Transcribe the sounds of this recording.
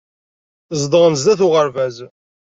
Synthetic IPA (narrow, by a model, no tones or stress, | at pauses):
zˤd̪ˤəʁənzd̪æθʊʁəɾvæz